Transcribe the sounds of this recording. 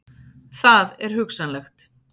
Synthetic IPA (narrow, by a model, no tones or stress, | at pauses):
θaðɛɾ̥hʏksanlɛxt̪